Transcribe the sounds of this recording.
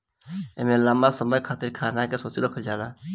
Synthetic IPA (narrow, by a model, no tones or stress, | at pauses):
emelaːmasəməjkʰaːt̪iɾkʰaːnakesot͡ʃiɾəkʰəld͡ʒaːla